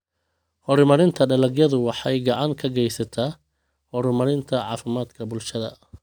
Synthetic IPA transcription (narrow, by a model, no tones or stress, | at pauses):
hɔɾmɐɾɪnt̪ʰɐɖɐlɐɡjɐðʊwɑħɑjɡɑʕɑŋkʰɐɡɛjsɐt̪ʰaː | hɔɾmɐɾɪnt̪ʰɐʕɑːfɪmaːd̪kʰɐbʊlʃɐðɐ̰